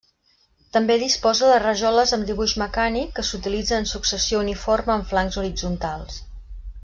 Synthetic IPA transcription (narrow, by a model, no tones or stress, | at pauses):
t̪əmbeðispɔzəðərəʒɔləzəmd̪iβuʒməkanikːəsut̪ilid͡zəːnsuksəsiouniforməːɱflaŋzuɾid͡zunt̪alˠs